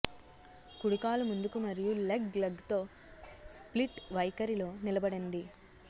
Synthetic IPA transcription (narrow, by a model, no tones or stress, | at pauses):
kuɽukaːlumund̪ukumɐɾijulɐɡlɐɡt̪o̞ː | spliʈʋɐjkɐɾilo̞ːnilɐbɐɽɐnd̪i